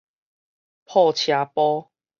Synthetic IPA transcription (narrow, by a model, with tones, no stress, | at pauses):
pʰɔ˥˧t͡ɕʰja˨˦pɔ˦